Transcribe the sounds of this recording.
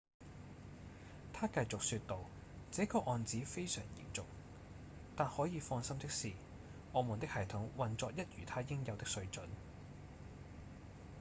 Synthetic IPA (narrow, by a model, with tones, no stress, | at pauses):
t̪ʰaː˥kɐ˧jt͡sʊ˨k̚syː˧t̚t̪o˨˧w | t͡sɛː˨˥kɔː˧ʔɔː˨˧nt͡siː˨˥fe˥jsœ̰ː˨˩ŋjḭː˨˩nt͡sʊ˨k̚ | t̪aː˨nhɔː˨˥jiː˨˧fɔː˧ŋsɐ˥mt̪ɪ˥k̚siː˨ | ʔɔː˨˧muː˨˩nt̪ɪ˥k̚hɐ˨˩jt̪ʰʊ˨˥ŋwɐ˨nt͡sɔː˧k̚jɐ˥t̚jyː˨˩t̪ʰaː˥jɪ˥ŋjɐ˨˧wt̪ɪ˥ksɵ˧ɥt͡ʃɵ˨˥n